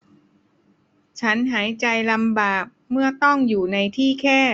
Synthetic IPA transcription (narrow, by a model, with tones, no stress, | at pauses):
t͡ɕʰa˦˥nɦaː˩˦jt͡ɕa˧jla˧mbaː˨˩k̚mɯ˥˩ɐt̪ɔ˥˩ŋjuː˨˩na˧jt̪ʰiː˥˩kʰɛː˥˩